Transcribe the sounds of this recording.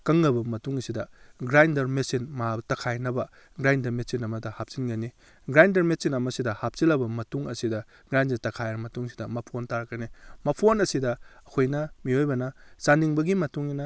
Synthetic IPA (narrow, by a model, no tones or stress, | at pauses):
kɐŋːɐbɐmɐtuŋɐsidɐɡɾajndɐɾmesinmabtɐkʰajnɐbɐ | ɡɾajndɐɾmesinɐmɐdɐhap̚sinɡɐni | ɡɾajndɐɾmesinɐmɐsidɐhap̚silɐbɐmɐtuŋɐsidɐ | ɡɾajndɐtɐkʰajɐɾɐmɐtuŋsi̥dɐmɐpʰontaɾɐkɐnimɐpʰonɐsidɐɐkʰojnɐmiojbɐnɐsaniŋbɐɡimɐtuŋinɐ